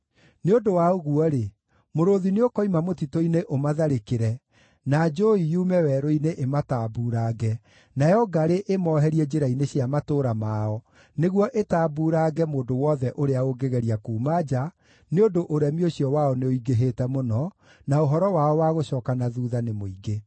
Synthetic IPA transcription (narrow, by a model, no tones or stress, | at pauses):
neondowaoɣuɔɾe | moɾoðineokɔimamotitoineʔomaðaɾekeɾɛ | nad͡ʒoijuːmɛwɛɾoineʔemataːbuɾaːɡɛ | najɔɡaɾeʔemɔɦɛɾiɛd͡ʒeɾaineɕjamatoːɾamaɔ | neɣwɔʔetaːbuːɾaːɡɛmoːndowɔðɛʔoɾeaoɡeɣɛɾiakuːmad͡ʒa | neondoʔoɾɛmioɕiɔwaɔneoiɡeɦetɛmonɔ | naoɦɔɾɔwaɔwaɣoɕɔːkanaðuːðanemoiɡe